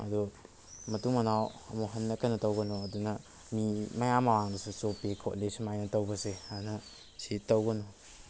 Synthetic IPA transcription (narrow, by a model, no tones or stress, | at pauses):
ɐ̰du | mɐtuŋmɐnawɐmuɦɐnːɐkanɐtɐwɡɐnɔɐdunɐ | mimɐjamːɐwaŋdɐsusopekʰo̰tlesmajnɐtɐwbɐseanɐ | sitɐwɡɐnɔ